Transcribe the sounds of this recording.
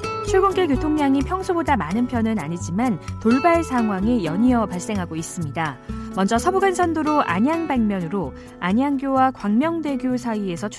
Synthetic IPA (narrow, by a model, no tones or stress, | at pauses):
t͡ɕʰuɭɡunk͈eɭkjotʰoŋɲaŋipʰjʌŋsʰobodamanɯnpʰjʌnɯnaɲid͡ʑimantoɭbaɭsʰaŋɦwaŋijʌɲiʌpaɭs͈e̞ŋɦaɡois͈ɯmɲidamʌnd͡ʑʌsʰʌbuɡansʰʌndoɾoʔa̰ɲaŋbaŋmjʌnɯɾo | aɲaŋɡjowakwaŋmjʌŋde̞ɡjosʰaie̞sʰʌt͡ɕʰ